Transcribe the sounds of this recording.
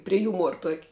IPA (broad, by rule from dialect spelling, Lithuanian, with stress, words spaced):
pʲrʲiɛ ˈjuːmuɔr tuɔkʲ